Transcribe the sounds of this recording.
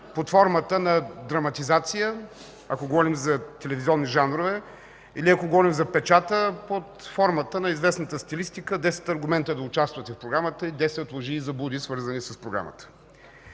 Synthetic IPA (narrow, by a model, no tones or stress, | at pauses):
pot̪fɔɾmət̪ənɐd̪ɾɐmɐt̪izat̪sijə | ɐkoɡovɔɾimzɐt̪ɛlɛviziɔnːiʒanɾovɛ | iliɐkoɡovɔɾimzɐpɛt͡ʃat̪əpot̪fɔɾmət̪ənɐizvɛsnət̪əst̪ilist̪ikəd̪ɛsɛ̥t̪ɐɾɡʊmɛnt̪əd̪ɐʊt͡ʃast̪vət̪ɛfpɾoɡɾamət̪əid̪ɛsɛot̪lˠoʒiːzɐbud̪isvɤɾzənisɐspɾoɡɾa̰mə̰t̪ə̥